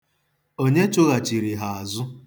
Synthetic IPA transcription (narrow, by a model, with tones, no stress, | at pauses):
o˦ɲe˦t͡ʃʊ˦ɣa˨t͡ʃi˨ɾi˨ɦa˨a˨zʊ˦